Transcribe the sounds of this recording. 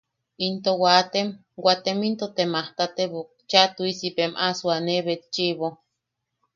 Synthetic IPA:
int̪owat̪em | wʷat̪emint̪ot̪emaht̪at̪eβo | t͡ʃat̪uisipemʔaswaneβet̪t͡ʃiβo

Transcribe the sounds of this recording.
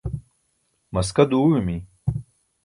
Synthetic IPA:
mɐs̬kɐd̪uːimi

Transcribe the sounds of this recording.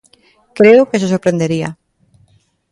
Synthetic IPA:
kɾeokes̬esoɾpɾend̪eɾia̰

